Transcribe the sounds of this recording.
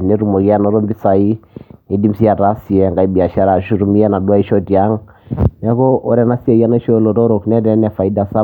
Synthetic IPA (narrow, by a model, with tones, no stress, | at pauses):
nɛ˦ɾu˨mo˨ɡi˦a˦nɔ˨˦ɾɔ˦mbi˦sa˨i˦ni˨di˦msi˦a˨ɾa˦si˨ɛ˨ŋɡa˨i˦bi˨a˨ʃa˦ɾa˨ʃu˦ɾu˨mi˦ja˦na˨dwa˦i˦ʃo˦ti˨a˦ŋnɛ˦ko˦ʔɔ˦ɾɛ˦na˦si˦a˨ja˦na˦ʃo˦lo˨ɾɔ˦ɾo˨knɛ˦dɛ˨˦nɛ˨fa˨i˦da˨sa˦